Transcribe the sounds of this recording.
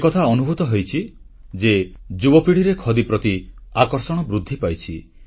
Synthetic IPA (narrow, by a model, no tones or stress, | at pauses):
kɔt̪ʰaɔnubʱut̪ɔɦojt͡ʃʰi | d͡ʒed͡ʒubɔpiɽ̤iɾekʰɔd̪ipɾɔt̪iakɔɾsɔɽ̃ɔbɾud̪ʱːipajt͡ʃʰi